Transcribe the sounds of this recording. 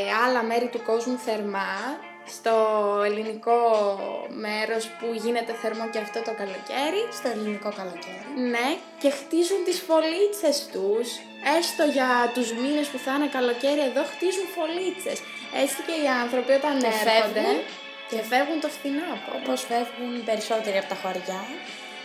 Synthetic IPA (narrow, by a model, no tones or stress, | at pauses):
ɐlɐme̞ɾit̪uko̞zmuθe̞ɾmɐ | st̪o̞eliniko̞ | me̞ɾo̞spuʝine̞t̪e̞θe̞ɾmo̞ceɐft̪o̞t̪o̞kɐlo̞ce̞ɾist̪oelinikokɐloceɾine̞ | ce̞xt̪izunt̪isfo̞lit͡se̞st̪us | e̞st̪o̞ʝɐt̪uzminespuθɐnekɐlo̞ce̞ɾie̞ðo̞xt̪izuɱfo̞lit͡se̞s | e̞t͡sice̞iɐnθɾo̞pio̞t̪ɐneɾeonɣd̪e | cefe̞vɣunt̪ofθinokoposfevɣunpe̞ɾiso̞t̪e̞ɾiɐpot̪ɐxoɾʝɐ